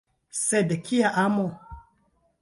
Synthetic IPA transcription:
sɛdekʰijaʔamɔ

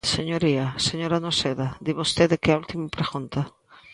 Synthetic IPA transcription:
seɲoɾiaseɲoɾanoseðad̪iβost̪eðekeault̪imapɾeɣunt̪a

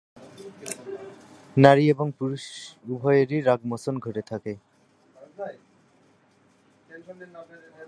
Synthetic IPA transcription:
naɾieboŋpuɾuʃubʱɔjeɾiɾaɡmosonɡʱoʈet̪ʰake

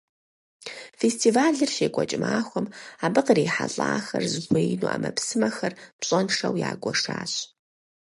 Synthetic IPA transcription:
festʰiːvaːɮɨrɕeːkʷʼɔt͡ʃʼɪmʔaːxʷɔmaːbɨqreːħaɬʼaːxɐrzɨɡʷejnuːʔɐ̰mɐpsɨmɐxɐrpɕʼɐnʂɐwjaːɡʷɔʂaːɕ

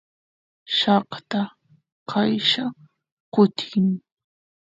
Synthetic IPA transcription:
ʃɑqt̪a | qʰajʃa | qʊt̪ʰɪŋ

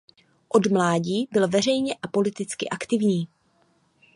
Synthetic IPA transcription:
ʔo̞dmlaːɟiːbɪlvɛr̝ɛjɲɛʔapo̞lɪt̪ɪt͡skɪʔakt̪ɪvɲiː

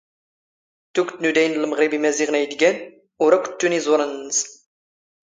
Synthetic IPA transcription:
t̪ukt̪nud̪æjnləməʁɾibimæziʁnæjd̪ɡʲæn | uɾækʷʊ̥t̪ːunizˤuɾənːəs

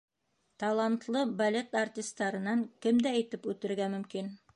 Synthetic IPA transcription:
t̪ɑlˠɑnt̪lˠɤbɐlʲet̪artʲist̪ɑɾɤ̆nɑŋkɘmd̪æːjt̪ɘpʉt̪ɘ̆ɾɡæmɵ̆mkin

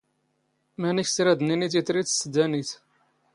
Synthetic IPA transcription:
mæniçsɾæd̪ninit̪̬ət̪ɾit̪sːəd̪ænit̪

